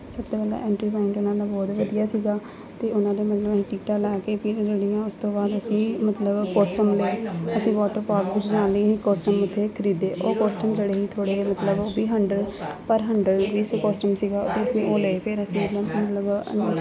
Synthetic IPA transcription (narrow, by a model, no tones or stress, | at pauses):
səb̚t̪oːpəːla̰ːʔɛ̃ːɳʈɾiːpaːɪ̃ɳʈʊnãːd̪aːbɔːt̪ʋəd̪ijaːsiːɡaː | t̪eːʊnãːd̪eːmət̪ləb̃ʈiːʈaːlɛːkeːpʰɪɾd͡ʒəɽijãːʊst̪õːbaːd̪əsĩːmət̪ləbkoːsʈəmləeəsĩːʋɔːʈəɾpaːkʋɪt͡ʃd͡ʒãːnleiːĩːkoːsʈəmʊt̪ʰːeːkʰəɾiːd̪eːʔoːkoːsʈəmd͡ʒeːɽeːɦiːt̪ʰoːɽeːmət̪ləboːbiːɦəɳɖəlpəɾɦəɳɖəlʋiːsokɔːsʈəmsiːɡaːʊt̪ʰːeːəsĩːʔoːləeːpʰɪɾəsĩːmət̪ləbmət̪ləbnː